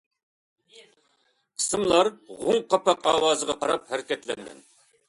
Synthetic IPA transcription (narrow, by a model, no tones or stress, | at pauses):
qʰə̥sɨmlˠɑɾʁʊŋqɑpɑqɑːwɑːzəʁɑqʰɑɾɑp̚hæɾkʲɛt̪lɛŋɡʲɛ̰n